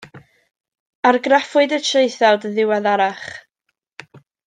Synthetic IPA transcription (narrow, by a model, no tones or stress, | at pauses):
arɡrafɨdətʰreɨθadəðɪwaðaɾaχ